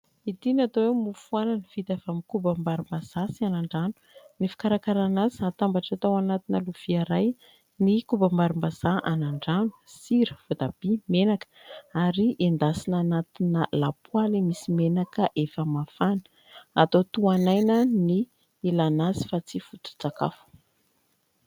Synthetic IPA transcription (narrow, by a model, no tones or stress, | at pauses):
it̪inat̪owewmufuananəv̥it̪evamikubambaɾumbaz̥asianaɳɖ͡ʐanu̥nifi̥kaɾakaɾanaziat̪ambaʈ͡ʂat̪awanat̪inəluv̥iaɾaj | nikubambaɾumbaz̥aʔanaɳɖ͡ʐanu̥siɾə̥vod̪ab̥imenakə̥aɾiʔend̪asinanat̪inəlapualimisimenakəʔefəmafanə̥ | a̰t̪ot̪uanajnəni | ilanazi̥fat͡sifut̪u̥t͡saka̰fu̥